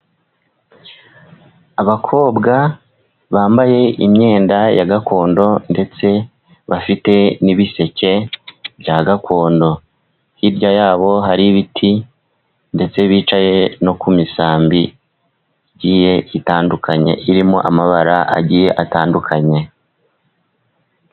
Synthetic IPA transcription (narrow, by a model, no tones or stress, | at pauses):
aβakʰo̞ːbɡa | βaːmbaje̞ʔimɲe̞ːndajaɡakʰo̞ːndo̞nde̞t͡se̞ | βafite̞niβise̞ce̞βjaɡakʰo̞ːndo̞ | hiɾɟajaːβo̞ɦaɾiβitʰi | nde̞t͡se̞βiːt͡ʃaje̞no̞kumisaːmbi | ɟiːje̞itaːndukʰaɲe̞̰ʔiɾimoʔamaβaɾaʔa̰ɟiːje̞ʔataːndukʰaɲe̞